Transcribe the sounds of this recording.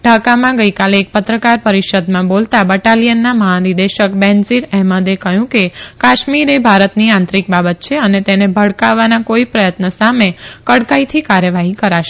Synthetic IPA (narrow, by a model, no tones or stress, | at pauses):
ɖʱakamãɡəikaleːk̚pət̪ɾəkaɾpəɾiʃəd̪mãbolt̪abəʈalijənːaməɦanid̪eʃəkbɛnsiɾɛɦməd̪ekəɦjũkekaʃmiɾebʱaɾət̪niãnt̪ɾik̚babət̪̚t͡ʃʰeənet̪enebʱəɽkaʋːanakoipɾəjət̪nəsamekəɽkait̪ʰikaɾjəʋaɦikəɾaʃe